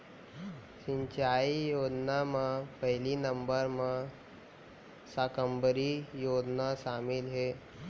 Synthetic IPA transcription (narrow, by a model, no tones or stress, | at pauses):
ɕiɲt͡ɕaijodnamapəɦilinəmbəɾma | sakəmbəɾijodnasamilɦe